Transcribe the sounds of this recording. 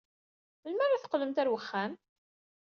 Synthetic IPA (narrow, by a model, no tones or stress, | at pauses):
məlmæɾaθə̥qləmt̪æɾwəχːæn